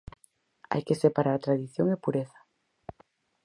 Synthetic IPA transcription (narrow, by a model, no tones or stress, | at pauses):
a̰jkesepaɾaɾt̪ɾaðiθjoŋepuɾeθḁ